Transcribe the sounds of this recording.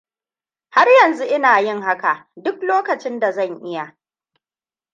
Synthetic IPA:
ha˦rjɐ˨nzu˦ʔɪ˦naː˨jɪ˦˨ŋɦa˦ka˨ʔdʊ˦kloː˦kɐ˨t͡ʃɪ˦nda˨zɐ˦˨ŋʔɪ˦ja˨ʔ

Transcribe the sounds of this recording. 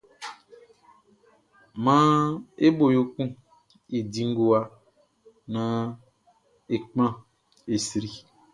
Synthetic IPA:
mã˦e˦bo˨jo˦kũ˦ | i˨dĩ˨ŋ˦ɡo˦a˦ | nã˦ | e˨k͡pã˦ | e˨si˨ɾi˨

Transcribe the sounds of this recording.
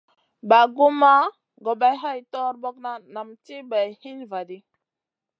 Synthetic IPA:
ba˨ɡu˦ma˦ | ɡo˨ba˨jɦa˦jtɔ˦ɾbo˦kna˦na˨mti˦ba˨jhi˦nva˨di˦

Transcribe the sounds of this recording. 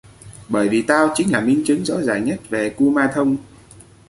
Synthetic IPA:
ɓəː˧˩jvi˨˩t̪aː˧wt͡ɕï˨˦ŋ̟laː˨˩mï˧ŋ̟t͡ɕɨ˨˦ŋzɔ̰˧˥zaː˨˩ŋɲə˦˥t̚ve˨˩ku˧maː˧t̪ʰə˧wŋ͡m

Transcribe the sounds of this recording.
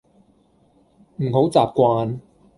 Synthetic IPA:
m̩˨˩ɦo˨˥wt͡saː˨p̚kʷaː˧n

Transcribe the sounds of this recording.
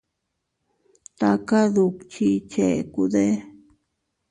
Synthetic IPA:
t̪a˦ka˦ðu˧kt͡ʃi˦t͡ʃe˨ku˧d̪e˦

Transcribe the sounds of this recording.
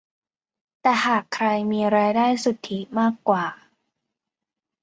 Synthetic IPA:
t̪ɛː˨˩haː˨˩kʰːɾa˧jmiː˧ɾaː˧jdaː˥˩jsu˨˩t̪ʰːi˨˦maː˥˩kːwaː˨˩

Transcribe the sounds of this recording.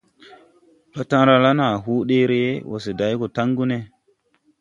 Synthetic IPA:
ɓa˦ta˦ŋɾa˦la˦na˨ɦu˦ɗe˦ɾe˨e˦wo̰˨s̬e˨da˨˦jko˨ta˦ŋɡu˦ne˨

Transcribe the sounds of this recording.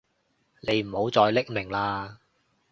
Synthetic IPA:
ne˨˧jm̩˨˩ho˨˧˥wt͡sɔː˧jlɪ˥k̚mɪ˨˩ŋlaː˧

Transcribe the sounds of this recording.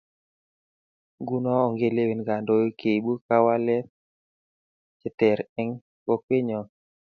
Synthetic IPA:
ɡu˦nɔ˦ɔ˨ŋɡe˦˨le˦we˨nɡa˨ndo˦jo˦ke˨ɓu˦ka˦wa˦lɛ˦ | t͡ʃɪ˦tɛ˨ɾɛ˦ŋ | ko˦kwe˦ɲɔ˨

